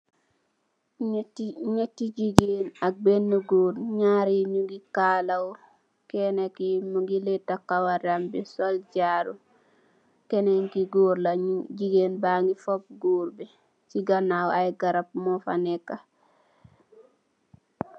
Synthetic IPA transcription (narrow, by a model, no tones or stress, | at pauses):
ɲetːiɟiɡeːnak̚benːuɡuːɾɲaːɾiɲuɡikaːlaw | kenekimuɡiletːakawaɾambisolɟaːɾu | keneŋkiɡoːɾlaɟiɡeːnbaŋɡifop̚ɡuːɾbi | t͡ʃiɡanawajɡaɾap̚mofa̰nekːa